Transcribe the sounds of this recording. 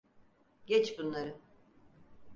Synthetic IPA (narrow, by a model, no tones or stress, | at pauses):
ɟɛt͡ʃbunlˠaɾɯ